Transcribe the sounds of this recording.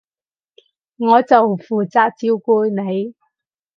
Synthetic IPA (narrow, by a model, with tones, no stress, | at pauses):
ŋɔː˨˧t͡sɐ˨wfuː˨˩t͡saː˨˧k̚t͡siː˥wkuː˧˥jne˨˧j